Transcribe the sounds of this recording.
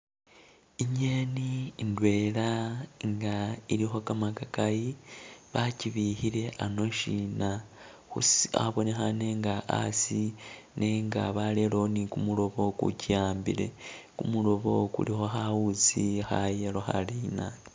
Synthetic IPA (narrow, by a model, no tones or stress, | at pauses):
iɲeniːndwe̞ːɾaŋɡaiɾiɦo̞kamakakajiβaciβihiɾe̞ʔano̞ʃina | hua̰βo̞nexane̞ŋɡaʔa̰sine̞ŋɡa̰βalelo̞nikumuɾo̞βo̞kṵcijaːmbḭɾe̞̰kumulo̞βo̞̰kṵɾixo̞ɦauzixajeɾoxa̰liːna